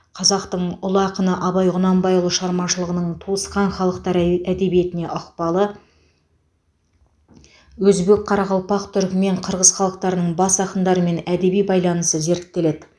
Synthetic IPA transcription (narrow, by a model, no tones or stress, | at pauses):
qʰɑzɑqt̪əɴʊlˠəɑqənəʔɑβɑjʁʊnɑmbɑjʊlˠəʃʁɑɾmɑʃəlˠəʁənəɴt̪ʰuəsqɑnχɑlˠəqt̪ɑɾæd̪e̞bije̞t̪ɪne̞ʔʊqpɑlˠə | wɵzbe̞k̚qʰɑɾɑʁɑlˠpɑqt̪ʰʏɾkʲɪme̞ɴqʰəɾʁəz̥χɑlˠəq̚t̪ɑɾənəɴbɑsɑqənd̪ɑɾəme̞næd̪e̞bijbɑjlˠɑnəsəze̞ɾt̪t̪ːe̞le̞d̪ɪ